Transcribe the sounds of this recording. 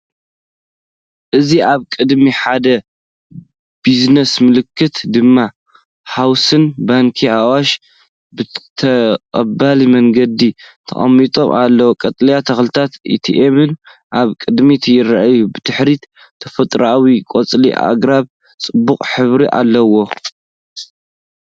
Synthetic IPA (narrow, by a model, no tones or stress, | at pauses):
ʔɨziaβkʼɨd̪miħad̪ɐ | b̥iznɐsmɨlɨkʰːɨt̪d̪ɨmːa | ħawsɨnbaŋkʰiawaʃ | bɨt̪ʰɐqʼɐbalimɐŋɡɐd̪it̪ʰɐ̰χʼɐ̰mːit̪ʼo̞̰mʔalːɐwokʼɐt̪ʼljat̪ʰɐxlɨt̪ʰat̪ḭt̪ʰiʔemɨn | ʔaβkʼɨd̪mit̪ʰɐjɪɾaʔajubɨt̪ʰɨħɾit̪ | t̪ʰɐfɐt̪ʼɾawikʼot͡sʼlḭʔa̰ɡɾaβ | t͡sʼɨbːukʼħɨβɾiʔa̰lːɐwo̞